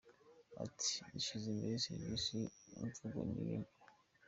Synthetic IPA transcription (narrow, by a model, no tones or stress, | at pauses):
a̰tʰi̥iʃizimbeeseɾβisiunt͡suɡo̰ɲiɾim